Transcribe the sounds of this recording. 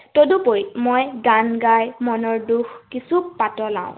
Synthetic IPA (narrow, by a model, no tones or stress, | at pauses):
todupoɹjmojɡanɡajmɔnɔɹduxkisupatɔlã̰ʊ̰̃